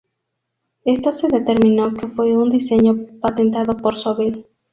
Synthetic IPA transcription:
est̪oseðet̪eɾmĩnokefweund̪iseɲopat̪ent̪aðopoɾsoβel

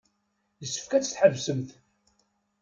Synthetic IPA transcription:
jəsːə̥fkæt͡sːə̥θħəvsəmθ

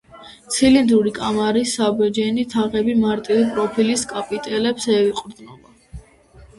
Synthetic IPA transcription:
t̪sʰilind̪uɾikʼamaɾisːabɛd͡ʒɛnit̪ʰaʁɛbimaɾt̪ʼivipʼɾɔpʰiliskʼapʼit̪ʼɛlɛpsɛiqʼɾd̪nula

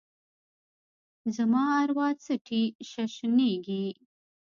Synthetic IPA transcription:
zamɑaɾwɑt͡səʈʰiʃaʃneɡi

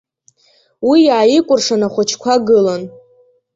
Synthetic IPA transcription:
wijaːjikʷʼʊrʂanaχʷat͡ʃʰkʷʰaɡɨlan

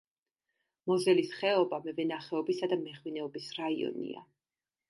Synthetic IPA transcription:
mɔzɛlisχɛɔbamɛvɛnaχɛɔbisad̪amɛχwinɛɔbisɾaiɔ̰nḭa̰

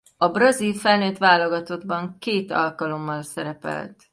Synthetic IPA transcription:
ɒbrɒzilfɛlnøːt̪ʋaːloɡɒt̪o̞d̪bɒŋkeːt̪ɒ̰lkɒlo̞mːɒlsɛɾɛpɛ̰lt̪

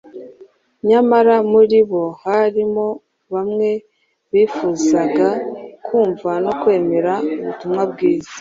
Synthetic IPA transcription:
ɲamaɾamuɾiβo̞haɾimo̞ | βamŋe̞ | βiːfuːzaɡakʰuːɱvano̞kwe̞ːme̞ɾauβutumŋabɡiːzḁḁ

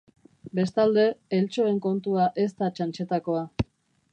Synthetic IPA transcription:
be̞st̪ald̪e̞ːlt͡ʃo̞e̞ŋko̞nt̪uaʔe̞st̪at͡ʃant͡ʃe̞t̪ako̞a

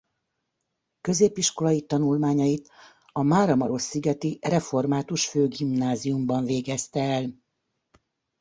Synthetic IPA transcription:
kø̞zeːpiʃko̞lɒjit̪ɒnulmaːɲɒjit̪ | ɒmaːɾɒmɒɾo̞sːiɡɛt̪irɛfo̞rmaːt̪uʃføːɡimnaːzijumbɒɱveːɡɛst̪ɛːl

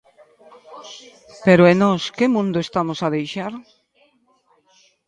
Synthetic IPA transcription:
peɾoenɔskemũnd̪oʊest̪amosaðejʃaɾ

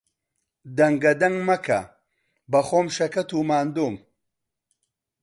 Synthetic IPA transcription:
d̪ɐŋɡɐd̪ɐŋmɐkʰɐ̰ | bɐxomʃɐkɐt̪uːmaːnd̪uːm

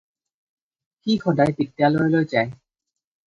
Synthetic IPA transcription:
xixɔdajpitːjalojlojzaj

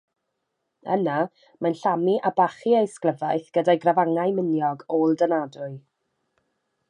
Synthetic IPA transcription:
ə̰na | manɬamiʔabaχiejskləvajθɡ̥ədajɡravaŋajmɪnjɔɡoːlˠdənadʊɨ

